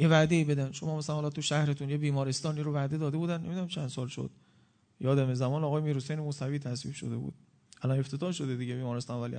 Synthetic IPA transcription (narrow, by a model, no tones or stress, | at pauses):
jevæd̪e̞iːbe̞d̪ænʃomɒːmæsælænhɒlɒt̪ʰuʃæhɾet̪ʰunjebiːmɒːɾest̪ɒːniːɾovæd̪e̞d̪ɒːd̪e̞buːd̪ænːemid̪unæmt͡ʃʰænd̪sɒːlʃo̰d̪̥̚ | jɒːd̪æmezæmɒːnɒːɣɒːjemiːɾhosejnemuːsæviːt̪ʰæsvḭːbʃo̰d̪e̞bṵːd̪̥ | ʔælɒne̞ft̪ʰe̞t̪ɒːhʃo̞d̪ed̪iɟebiːmɒːɾest̪ɒːnvæli